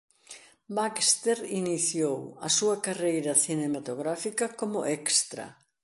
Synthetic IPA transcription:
bakst̪eɾiniθjowɐsuɐkarejɾɐθinemat̪oɣɾafikɐkomʊʔɛkst̪ɾɐ̰

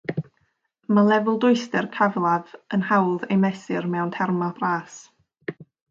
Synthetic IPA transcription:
malˠɛvʊlˠdʊɨstɛrkʰavlˠavənhawlˠðejmɛsɪrmɛwntʰɛrmab̥raːs

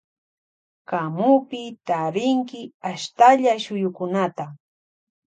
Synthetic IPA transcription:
kamʊpɪt̪aɾɪŋkɪaʃt̪aʎaʃʊjʊkʊnat̪a

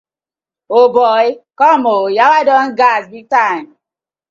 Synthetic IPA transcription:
obɔikɔmojawadɔn̩ɡazbitam

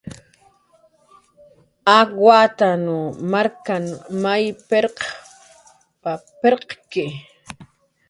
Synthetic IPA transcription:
awat̪anʊmaɾkanmajpeɾq | papeɾqkɪ

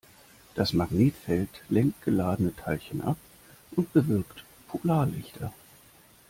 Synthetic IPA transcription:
d̥asmaɡneːtfɛltlɛŋkt̚ɡ̥əlaːdənətʰaɪlçənʔa̰p | ʔʊnt̚b̥əvɪɐkt | pʰolaːɐlɪçtʰɐ

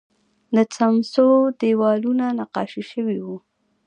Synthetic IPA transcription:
d̪ət͡samsod̪ewɑlunanaqɑ̰ʃiʃəwiwu

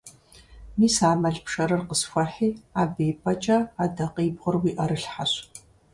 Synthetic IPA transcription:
niːsaːmɐɮpʰʂɐɾɐrqəsxʷɐħiːaːbeːpʰʼɐt͡ʃʼɐaːdɐqiːbʁʊrwiːʔɐɾɨɬħaɕ

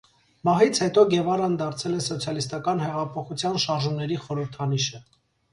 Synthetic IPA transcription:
mɑɦit͡sʰhɛt̪ɔɡɛvɑɾɑnd̪ɑɾt͡sʰɛlɛsɔt͡sʰjɑlist̪ɑkɑnhɛʁɑpʰɔχut͡sʰjɑnʃɑɾʒumnɛɾiχɔɾəɾt̪ʰɑniʃə

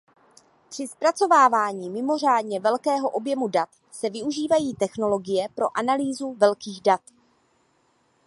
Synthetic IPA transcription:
pr̝̥ɪspɾat͡so̞vaːvaːɲiːmɪmo̞r̝aːdɲɛvɛlkɛːɦo̞ʔo̞bjɛmudat̪ | sɛvɪuʒiːvajiːt̪ɛxno̞lo̞ɡɪjɛpɾo̞ʔanaliːzuvɛlkiːɣdat̪

